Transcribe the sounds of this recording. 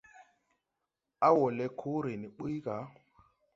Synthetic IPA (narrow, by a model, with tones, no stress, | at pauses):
a˦wɔ˨lɛ˦kʰo˦ɾe˨ni˨ɓi˦jka˨˦